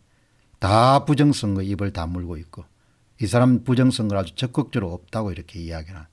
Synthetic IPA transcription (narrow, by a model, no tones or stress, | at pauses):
tapud͡ʑʌŋsʰʌŋɡɯibɯɭtamuɭɡoit̚k͈o | isʰaɾampud͡ʑʌŋs͈ʰʌŋɡɯɾɦad͡ʑut͡ɕʌk͈ɯk̚t͡ɕ͈ɯɾoʌp̚t͈aɡoiɾʌkʰe̞ijaɡiɾɦan